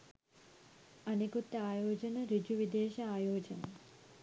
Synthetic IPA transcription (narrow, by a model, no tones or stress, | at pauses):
ɐnekut̪ːɐaːjoːd͡ʒɐnɐɾid͡ʒuʋid̪eːʃɐaːjoːd͡ʒɐ̰nɐ